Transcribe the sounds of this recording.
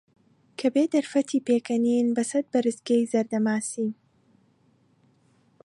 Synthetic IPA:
kʰɐbeːd̪ɐɾfɐt̪ʰiːpekʰɐninbɐsɐd̪̚bɐɾɨzɡɐjzɐɾd̪ɐmaːsiːn

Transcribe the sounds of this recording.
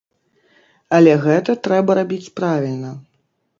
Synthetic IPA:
ɐlʲɛɣɛt̪ɐt̪ɾɛbɐɾabʲit͡sʲpɾavʲilʲnɐ

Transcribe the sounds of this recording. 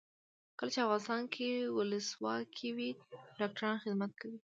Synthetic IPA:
kəlat͡ʃeafɣɑnɪst̪ɑnkʰewʊləswɑ̰kʰiwiɖɑk̚ʈaɾɑnxɪd̪mat̪̚kʰawi

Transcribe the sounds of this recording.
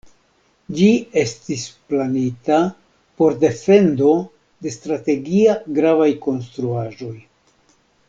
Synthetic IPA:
d͡ʒie̞stisplanita | po̞ɾde̞fe̞ndo̞ | de̞stɾate̞ɡiaɡɾavajko̞nstɾuaʒo̞j

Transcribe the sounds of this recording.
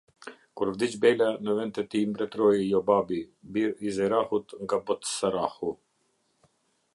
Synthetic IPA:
kuɾvd̪it͡ʃbɛlanəvɛnt̪ɛt̪imbɾɛt̪ɾɔjjɔbabibiɾizɛɾahut̪ŋɡabɔt̪saɾahu

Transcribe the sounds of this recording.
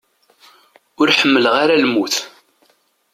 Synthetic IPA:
ʊɾħəmːələʁaɾalmuθ

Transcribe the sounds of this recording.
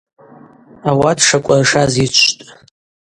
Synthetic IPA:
awatʰʂakʷʼarʂazit͡ʃʷʰtʼ

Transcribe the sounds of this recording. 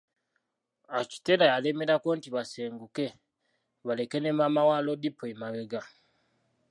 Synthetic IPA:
aci̥te̞ɾajaleme̞ɾakontiβaseːŋɡuke̞ | βale̞kenemamawaːlodipːoemaβeɡa

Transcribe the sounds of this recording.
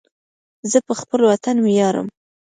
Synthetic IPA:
zəpəxpəlwat̪anmjɑɾə̰m

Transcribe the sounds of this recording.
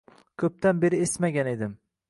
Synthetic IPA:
kʰɵp̚t̪ʰanbe̞ɾɪesmaɡʲane̞d̪ɪm

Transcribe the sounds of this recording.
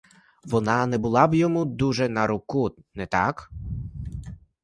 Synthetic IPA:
ʋɔnɑnɛbʊlˠɑbjɔmud̪uʒɛnɐɾʊkunɛt̪ɑ̰k

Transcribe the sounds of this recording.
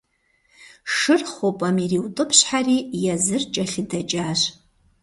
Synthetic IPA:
ʂɨrχʷopʼɐmiriwtʼɨpʰɕħariːjazɨrt͡ʃʼɐɬɪdɐt͡ʃʼaːʃ

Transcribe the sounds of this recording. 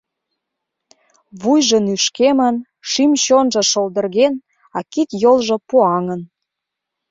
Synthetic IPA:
βujʒənyʃkemən | ʃimɕonʒɤ̆ʃold̪ə̆rɣen | ɑkit̪jolʒɤ̆puɑŋən

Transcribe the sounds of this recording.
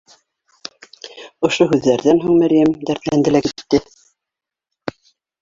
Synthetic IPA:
ŏʃoɦʉðːæɾðænɦuŋmæɾjæmd̪æɾt̪lænd̪ɘ̆lækit̪ːɘ

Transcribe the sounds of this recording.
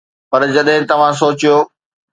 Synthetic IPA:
pɐɾd͡ʑɐɗɦɪ̃t̪ɐʋ̤ãs̬oːt͡ɕijoː

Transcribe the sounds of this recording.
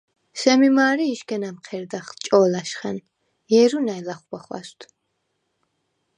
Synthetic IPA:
sɛmimaːɾiːʃkɛnamqʰɛɾd̪aχlt͡ʃʼɔːlaʃχɛn | jɛɾunajlaχwaχwa̰st̪ʰ

